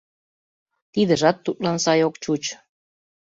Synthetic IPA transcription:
t̪id̪ə̆ʒɑt̪ːut̪̚lɑnsɑjokt͡ɕut͡ɕ

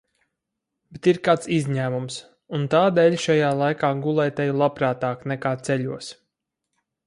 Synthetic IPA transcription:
bet̪iɾkaːt̪sizɲæːmums | unt̪aːd̪ɛːlʲʃajaːlˠajkaːɡulˠɛjt̪ɛjulˠapɾaːt̪aːknɛkaːt̪sɛʎʲuɔs

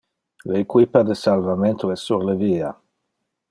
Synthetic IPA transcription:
leːkwipad̪esalvament̪uɛsːuɾleviːa̰

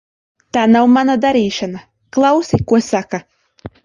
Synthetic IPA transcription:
t̪aːnawmanad̪aɾiːʃana | klˠɑwsʲikuɔsaka

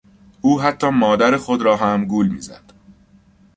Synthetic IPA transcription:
ʔuːɦæt̪ʰːɒːmɒːd̪æɾexo̞d̪ɾɒːɦæmɡuːlmḭːzæ̰d̪̥

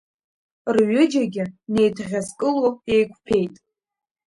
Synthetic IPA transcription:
rɥʏd͡ʒaɡʲɪne̞jtʰʁʲazkʼɨloe̞jkʷʰpʰe̞jtʼ

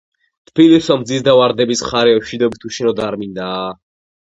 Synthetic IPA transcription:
t̪ʰb̥ilisamd̪zisd̪avaɾd̪ɛbisχaɾɛʃid̪ɔbit̪ʰuʃɛnɔd̪aɾmind̪aː

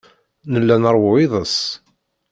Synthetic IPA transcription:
nəlːænəɾˤwʊɪðˤəs

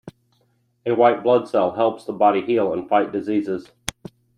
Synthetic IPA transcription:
ɨwaɪʔ̚b̥lʌd̥sɛlˠɦɛlˠpsðəbɑɾihilˠə̃nfaɪʔ̚d̥ɪziːzɪz̥

